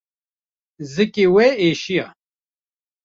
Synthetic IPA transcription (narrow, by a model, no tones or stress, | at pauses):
zɨkewɛeːʃija